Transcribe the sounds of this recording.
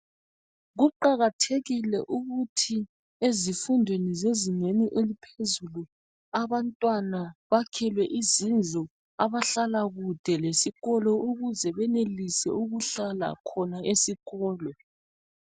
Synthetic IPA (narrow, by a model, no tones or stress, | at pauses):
ɣuǃaɣatʰeɣilɛ̰ʔuɣutʰi | ezifundʱwenizeziŋeniʔelipʰezulu | aβantʼwanaβakʰɛlwɛʔizind͡ɮʱɔ | aβaɬalaɣud̥ʱɛlesiɣɔlɔʔuɣuzɛβɛnelisɛ̰uɣuɬala̰kʰɔnaʔesiɣɔːlɔ